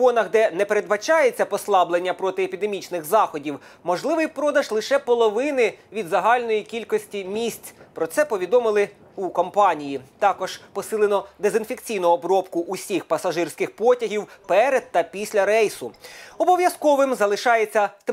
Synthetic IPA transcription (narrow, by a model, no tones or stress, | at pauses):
ɔnɐɦd̪ɛnɛpeɾed̪bɐt͡ʃɑjet͡sʲːɐpɔslˠɑblˠenʲːɐpɾɔt̪ɪepʲid̪emʲit͡ʃnɪɣzɑxɔdʲiw | mɔʒlˠɪʋɪjpɾɔd̪ɐʒlˠɪʃɛpɔlˠɔʋɪnɪʋʲid̪zɐɦɑlʲnɔjikʲilʲkɔsʲtʲimʲisʲt͡sʲpɾɔt̪sɛpɔʋʲid̪ɔmɪlˠɪ | ukɔmpɑnʲijit̪ɑkɔʒ̥pɔsɪlˠenɔd̪ezɪnfekt͡sʲijnʊɔbɾɔpkʊʔusʲixpɐsɐʒɪrsʲkɪxpɔtʲɐɦʲiwpɛɾed̪̚t̪ːɐpʲisʲlʲɐɾɛjsʊɔbɔʋʲjɐskɔʋɪmzɐlˠɪʃɑjet͡sʲːɐ